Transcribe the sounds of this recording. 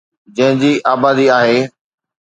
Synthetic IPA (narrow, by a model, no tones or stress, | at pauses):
d͡ʑɐ̃ɦɪ̃d͡ʑiːʔaːbaːd̪iaːɦeː